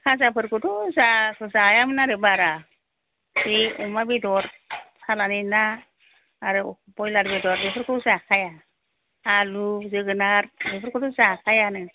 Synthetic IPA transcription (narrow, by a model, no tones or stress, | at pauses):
kʰazapʰɯɾkɯtuzakʰɯzajamɯnaɾɯbaɾa | biumabidɔɾ | sʰalaninaː | ɾɯ | bɔjlaɾbidɔɾbipʰɯɾkʰɯzakʰajaː | lubzɯɡɯnaɾbipʰɯɾkuduzakʰajanɯ